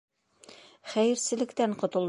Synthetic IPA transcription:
χæjɘ̆ɾsɘ̆lɘ̆kt̪æɴqŏt̪ŏlˠ

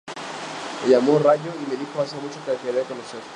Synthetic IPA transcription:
eʝamoraʎoimeðixoas̬emut͡ʃokekeɾeakonoseɾ

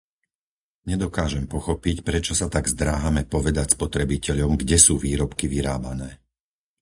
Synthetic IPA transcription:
ɲɛd̪ɔkaːʒɛmpɔxɔpicpɾɛt͡ʃɔsat̪aɡzd̪ɾaːɦamɛpɔʋɛd̪acspɔt̪ɾɛbicɛʎɔmɡɟɛsuːʋiːɾɔpkiʋiɾaːbanɛː

